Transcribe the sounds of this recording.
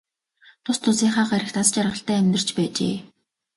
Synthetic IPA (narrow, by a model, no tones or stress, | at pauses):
t̪ʰʊst̪ʰːʊsiːɴχaːɢæɾʲɪ̆xt̪ʰasə̥̆t͡ɕarʁə̆ɬt̪æːæmʲt̪ə̆r̥t͡ɕpæːt͡ɕḛː